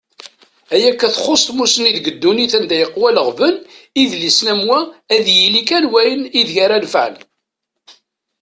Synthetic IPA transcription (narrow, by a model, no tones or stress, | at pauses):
æjækːæθχosˤt̪musəniðɡəd̪ːuniθænd̪æjəqːwæləʁvəniðlisnæmwæːðjilikænwæjəniðçaɾælfʕ̰l